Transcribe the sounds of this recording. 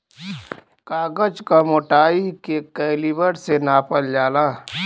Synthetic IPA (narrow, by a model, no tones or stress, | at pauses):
kaːɡəd͡ʒkamoːʈaːikekɛɪlibəɽsenaːpəld͡ʒaːlaː